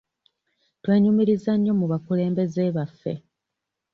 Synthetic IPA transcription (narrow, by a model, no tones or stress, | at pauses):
twe̞ːɲumiɾizaɲːo̞muβakule̞ːmbe̞ze̞ːβafːe̞̰